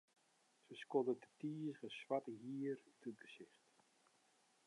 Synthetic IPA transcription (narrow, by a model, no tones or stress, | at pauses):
səskɔdədətiːsχəswatəɦiːərytʰət̚ɡəsɪχt